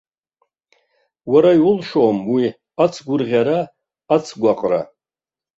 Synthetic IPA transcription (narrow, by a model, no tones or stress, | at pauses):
waɾajwʊlʂoːmwi | at͡sʰɡʷʊrʁʲaɾaː | t͡sʰɡʷaqʼra̰